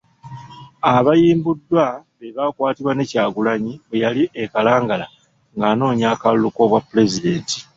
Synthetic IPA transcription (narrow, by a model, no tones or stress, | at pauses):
aβajiːmbudːwaβeβakwaːtiβwane̞caːɡulaɲiβwe̞jaliʔekalaːŋɡala | ŋɡaːno̞ːɲaːkallːuko̞βwapːule̞zide̞ːnti̥